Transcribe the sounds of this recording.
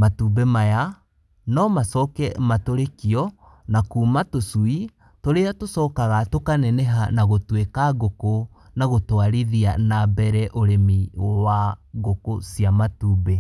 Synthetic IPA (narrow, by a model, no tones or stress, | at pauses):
matubɛmaja | nɔmasɔkɛmatoɾekiɔ | nakuːmatosui | toɾeatosɔkaɣatokanɛnɛɦanaɣotwekaɣoko | naɣotwaɾiðia̰nabɛɾɛʔoɾemiwaɣokosiamatuːbe